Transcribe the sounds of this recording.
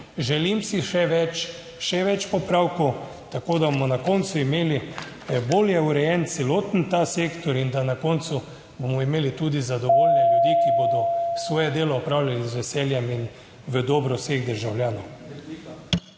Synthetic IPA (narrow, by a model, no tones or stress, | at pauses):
ʒɛlimsiʃɛʋɛt͡ʃ | ʃɛʋɛt͡ʃpɔpɾawkɔw | t̪akoːd̪abomɔnakɔnt̪suimeːli | boljɛuɾɛjɛnt̪sɛloːt̪n̩t̪aseːkt̪ɔɾind̪anakɔːnt̪su | bomɔimeːlit̪uːd̪izad̪ɔʋolnɛljud̪ikibod̪ɔsʋɔːjɛd̪eːlɔːpɾaːwlʲjalizʋɛsɛljɛmin | ʋəd̪ɔːbɾɔseɣd̪əɾʒawljaːnɔw